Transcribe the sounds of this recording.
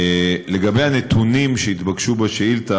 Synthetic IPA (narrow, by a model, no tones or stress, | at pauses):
le̞ɡabejhanet̪unimʃeit̪baɡʃubaʃeilt̪a